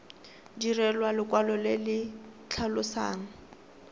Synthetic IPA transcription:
dirɛlwalɪkʼwalɔlɪlɪ | t͡ɬʰalʊsa̰ːŋ̩

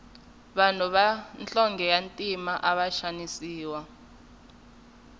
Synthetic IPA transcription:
ɓanuβant͡ɬʼɔŋɡʱɛjantʼimaʔaɓaʃanisiːwa

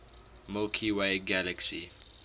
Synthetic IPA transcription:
mɪlkʰiweɪɡæləksi

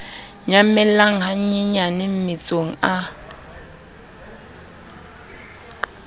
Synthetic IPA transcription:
ɲamɛlaŋ̩ɦaɲiɲanɪm̩mɪt͡sʼoŋ̩a

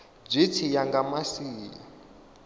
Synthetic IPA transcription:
b͡ʐʷit͡sʰijaŋɡamasiːja̰

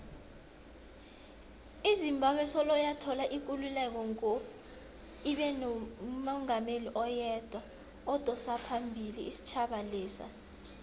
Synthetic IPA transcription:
izimbʱaɓwɛsɔlɔjatʰɔlaʔik̬ululɛk̬ɔŋo | iɓɛnɔmɔŋameliʔɔjɛd̥ʱwa | ɔd̥ʱɔsapʰambʱilḭisi̥t͡ʃʰaɓalɛːsa̰

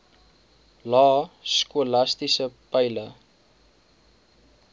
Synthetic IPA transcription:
lɑːskulɐstisəpɐjlə

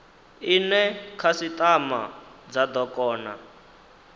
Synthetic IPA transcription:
inɛkʰasit̪ʼama̰d͡zad̪ɔkʼɔːna

